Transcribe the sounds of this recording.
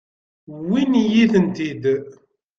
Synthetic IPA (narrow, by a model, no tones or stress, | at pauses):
winjiθənt̪id̪